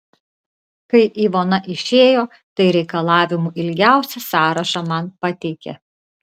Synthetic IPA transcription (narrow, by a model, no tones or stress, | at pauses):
kɐɪʔiːʋoːnɐʔɪʃʲeːjoː | t̪ɐɪɾʲɛɪkɐlˠɑːʋʲɪmuːʔɪlʲɡʲæˑʊsʲɛsɑːɾɐʃɑmɐnpɐt̪ʲɛɪkʲḛ